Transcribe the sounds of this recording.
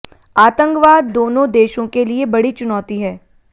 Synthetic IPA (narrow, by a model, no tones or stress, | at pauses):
aːt̪ə̃ŋkʋaːd̪ːoːnõd̪eːʃõkeliebɐɽit͡ʃʊnɔːt̪iɦɛː